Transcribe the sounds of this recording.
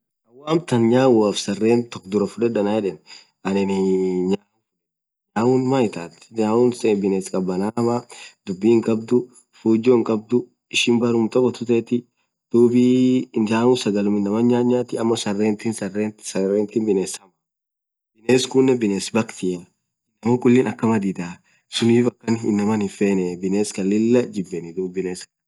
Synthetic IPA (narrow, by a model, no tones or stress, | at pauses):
ɐwaːmt̪ɐnɲaːwaːfsɐrːeːnt̪ɔkd̪ʊɾɐfʊᶑɛᶑɐnaːjɛᶑɛn | ʔɐnɪnɪɲaː | ɲaːwunmajɪt̪aːt̪ɲaːuːnsbɪneːskʼɐbːɐnamad̪ʊbːiːŋkʼɐb̚d̪ʊ | fuːd͡ʒoːɪŋkʼɐb̚d̪ʊ | ɪʃɪnbɐɾʊmt̪ɔkʼːɔt̪ʊt̪ɛːt̪ɪ | d̪̥uːbiaːʊsɐɡɐlʊmɪnːɐmɐɲɲːaːɲːaːt̪ɪɐmːɐsɐrːeːnt̪iːnsɐret̪sɐreːnt̪ɪːnbɪneːsɐmɐ | bɪneːskʊnːɛbɪneːsbɐkt̪ɪ | ɐmokʼʊlːɪnɐkːɐmɐd̪iːd̪aː | sʊniːfɐkːɐnɪnːɐmɐnɪfeːnɛbɪneːskɐlːɪlːɐd͡ʒɪbːɛnɪd̪uːbːɪneːs